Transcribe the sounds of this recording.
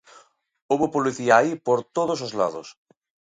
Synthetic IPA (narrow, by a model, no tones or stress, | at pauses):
oβopoliθiaipoɾt̪oð̞os̬ozla̰ðo̰s